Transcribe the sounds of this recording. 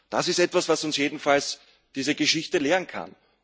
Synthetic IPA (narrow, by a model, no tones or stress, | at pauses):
d̥asɪstɛtvasv̥asʊnsjeːdn̩fals | d̥iːzəɡəʃɪçtəleːʁənkʰa̰n